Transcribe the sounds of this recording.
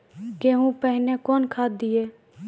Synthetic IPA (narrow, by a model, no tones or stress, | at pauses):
keːɦũpəɦɪnekɔːnkʰaːd̪̚d̪ieː